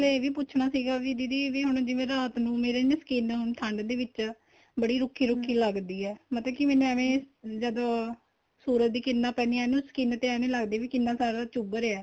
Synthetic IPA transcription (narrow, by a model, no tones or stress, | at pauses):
leeːʋiːpʊːt͡ʃʰɳaːsiːɡaːʋid̪id̪iːʋiːɦʊɳ̃d͡ʒɪʋẽːɾaːt̪nũːmeːɾeːnə̃sə̥kiːnɦʊnt̪ʰə̃ɳɖd̪eːʋɪt͡ʃ | bəɽiːɾʊkʰːiːɾʊkʰːiːləɡd̪iːɛːmət̪ləbkɪmɛ̃ːnũɛːʋẽːd͡ʒəd̪õː | suːɾət̪̚d̪iːkɪnːaːpɛːniːɛːnũːsə̥kiːnt̪eɛːʋẽːləɡd̪eːʋiːkɪnːãːsaːɾaːt͡ʃubəɾɛː